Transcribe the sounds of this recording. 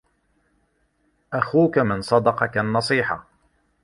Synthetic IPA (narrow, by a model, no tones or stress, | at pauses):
ʔaxuːkamɪnsˤɑd̪ɑqɑkanːɑsˤiːħɑ̰